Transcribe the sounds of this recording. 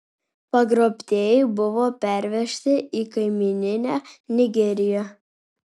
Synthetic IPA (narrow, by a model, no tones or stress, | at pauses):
pɐɡɾoːpʲt̪ʲeːjɛɪbʊʋoːpʲæɾʲʋʲɛʃʲt̪ʲɪʔikɐɪmʲɪnʲɪnʲæːnʲɪɡʲɛɾʲɪjæ